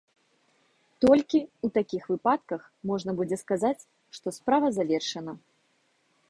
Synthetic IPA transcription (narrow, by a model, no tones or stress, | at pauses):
t̪ɔlʲkʲiut̪akʲixvɨpat̪kɐx | mɔʐn̪ɐbud͡zʲɛskazat͡sʲ | ʂt̪ɔspɾavɐzavʲɛrʂɐnɐ